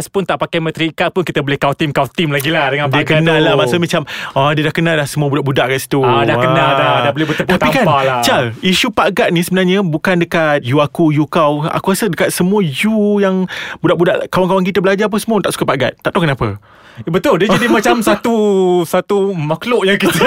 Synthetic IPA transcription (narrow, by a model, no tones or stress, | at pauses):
aspʊnt̪aʔpakajmə̃t̪ɾiːkat̪̚pʊnkit̪əbolɪhkawt̪imkawt̪imlaɡilahdəŋãndiəkənalːamaʔsʊlmat͡ʃamɔdiədahkənalahsəmũəbudaʔbudaʔkaʔsi̥t̪uadahkəanaldadabolɪhbət̪əp̪at̪pikanalat͡ʃaliʃupaɡat̪̚nisəbənarɲəbukandəkat̪̚juakujukawa̰kuɣasədəkat̪̚səmuəjujaŋbudaʔbudaʔkawaŋkawaŋkit̪əbəlad͡ʒap̬əsəmũət̪aʔsu̥kapaʔɡa̰t̪̚ːaʔt̪okənapə̰ | bət̪ʊldiəd͡ʒadimat͡ʃamsat̪usat̪umakloʔjaŋkit̪ə